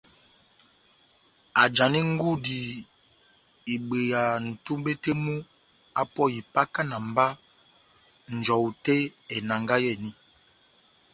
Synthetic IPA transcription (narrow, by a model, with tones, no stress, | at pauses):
a˨d͡ʒa˨ni˦ŋ˦ɡu˦di˨ | i˨ɡ͡be˨ja˨n̩˨tu˦mbe˦te˦mu˦ | a˦pɔ˦˨i˨pa˦ka˦na˨m˨ba˦ | n̩˨d͡ʒɔ˨u˨te˦ɛ˨na˨ŋɡa˦jɛ˦˨ni˦